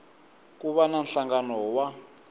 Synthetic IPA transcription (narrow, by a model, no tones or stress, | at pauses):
k̬ʼuɓananɬaŋɡanɔwa